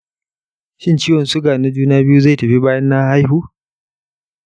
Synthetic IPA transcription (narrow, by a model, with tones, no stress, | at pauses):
ʃɪ˦nt͡ʃiː˦wɔ˨nsʊ˦ɡaː˨na˦d͡ʒuː˦naː˦bɪ˦ju˦za˦˨tɐ˨ɸi˦baː˦jɐ˦nːa˦ha˦jhuː˦